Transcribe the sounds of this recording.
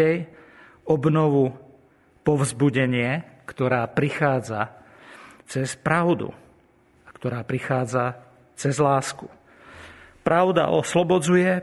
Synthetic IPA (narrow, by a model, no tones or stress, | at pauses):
ɛj | ɔbnɔʋu | pɔvzbuɟɛɲɪɛkt̪ɔɾaːpɾixaːd͡za | t͡sɛspɾaʊd̪ṵ | akt̪ɔɾaːpɾixaːd͡za | t͡sɛzlaːsku | pɾaʊd̪a̰ʔɔ̰slɔbɔd͡zujɛ